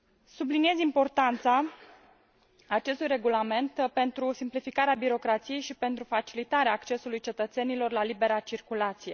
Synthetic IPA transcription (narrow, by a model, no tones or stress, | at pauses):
sublinije̞zimpo̞rt̪ant̪sa | t͡ʃe̞st̪ujɾe̞ɡulame̞nt̪pe̞nt̪ɾusimplifikaɾeabiɾo̞kɾat̪sije̞jʃipe̞nt̪ɾufat͡ʃilit̪aɾeaːkt͡ʃe̞sulujt͡ʃe̞t̪ət̪se̞nilo̞rlalibe̞ɾat͡ʃirkulat̪sije̞